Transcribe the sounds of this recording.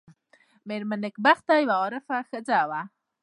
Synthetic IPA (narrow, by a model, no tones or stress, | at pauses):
meɾmanɪkbaχt̪ajwaoɾəfaxəd͡zawa